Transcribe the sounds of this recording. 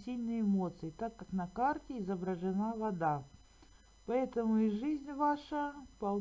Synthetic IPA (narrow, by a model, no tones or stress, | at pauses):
sʲilʲnɨjɪmo̞t̪sɨɪt̪akːaknɐkartʲɪɪzəbɾəʐɨnavɐd̪a | pɐɛt̪əmʊiʐɨzʲnʲvaʂəpɐlˠ